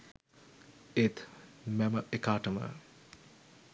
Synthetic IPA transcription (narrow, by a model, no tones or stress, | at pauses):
et̪ʰmɛməʔekaːʈəmə̰